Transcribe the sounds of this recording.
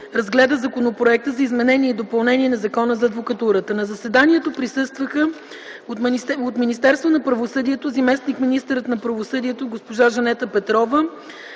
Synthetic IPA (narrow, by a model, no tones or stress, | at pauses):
ɾɐzɡlɛd̪əzɐkonopɾoɛk̚t̪əzɐizmɛnɛniɛid̪opɐlˠnɛniɛnɐzɐkɔnəzɐːd̪vokɐt̪uɾət̪ənɐzɐsɛd̪aniɛt̪opɾisɤst̪vəxə | ot̪minist̪ɛɾst̪vonɐpɾɐvosɤd̪iɛt̪ozɐmɛsnikminist̪əɾət̪nɐpɾɐvosɤd̪iɛt̪oɡospoʒaʒɐnɛt̪əpɛt̪ɾɔvə